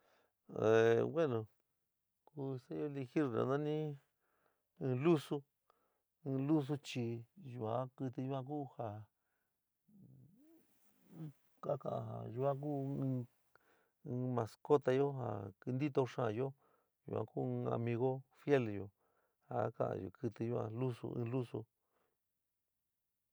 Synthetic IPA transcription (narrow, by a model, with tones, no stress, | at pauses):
e˨we˦nõ˨ | ku˧sa˦jo˦li˧xi˦ɾna̰˨˧nã˦nĩ˦ | ɨ̃ː˧lu˦sũ˦˧ | lu˦s̬u˧t͡ʃi˧ju˧ã˧kɨ˧t̪i˧ju˦ã˧k̬uː˦ha˨˦ | ka˦kã̰˧ʔã̰˧ɦa̰˨ju˧ã˦k̬ũː˦˧ | mã˨˧sko˦t̪a˧jo˦ɦa̰˨kɨ˧nd̪i˦t̪o˧ʂã˦˧jo˦ | jṵ˨ʔã̰˧kũː˦˧a̰˧mĩ˧ɣo˦fje˦ljo˧ | ha˨˦kã̰˧ʔã̰˧jo̰˧˨kɨ˧t̪ɨ˧ju˧ã̰˧lu˦sṵ˧ʔɨ̰̃ː˧lu˦sṵ˧